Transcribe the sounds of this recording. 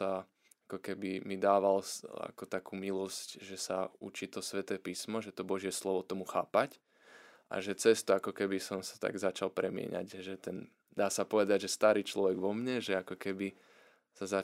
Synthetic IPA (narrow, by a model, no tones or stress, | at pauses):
a | akɔkɛbimid̪aːʋala̰kɔt̪akuːmilɔscʒɛsaṵt͡ʃiːt̪ɔsʋɛt̪ɛːpiːsmɔʒɛt̪ɔbɔʒɪɛslɔʋɔt̪ɔmuxa̰ːpac | ʔa̰ʒɛt͡sɛst̪uakɔkɛbisɔmsḁt̪a̰ɡzat͡ʃalpɾɛmɪɛ̰ɲa̰ɟʒɛt̪ɛn | d̪aːsapɔʋɛd̪aɟʒɛst̪aɾiːt͡ʃlɔʋɛɡʋɔmɲɛʒɛakɔkɛbi | saza